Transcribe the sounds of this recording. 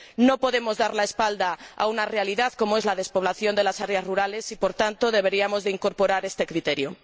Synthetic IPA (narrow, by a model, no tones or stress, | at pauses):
nopoðemozðaɾlaespald̪aa̰unarealiðaðkomoezlaðespoβ̞laθjond̪elasaɾjasruɾalesipoɾt̪ant̪oðeβ̞eɾiamozðeiŋkoɾpoɾaɾest̪e̞kɾit̪eɾjo